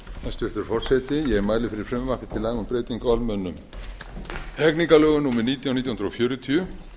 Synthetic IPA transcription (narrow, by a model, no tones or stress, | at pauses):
ɛst̪ʏr̥t̪ʏɾ̥fɔr̥sɛt̪ɪjɛɣɛɾmaːjlɪfɪɾɪɾ̥fɾɛmvahkɪ̥t̪ʰɪlaɣmʏmpɾeːjt̪iŋkalmœnːʏm | ɛkniŋkalœːɣʏnuːmɪðniːt̪jawnit̪jahʏnɾo̰fjœːɾʏt̪ʰiʏ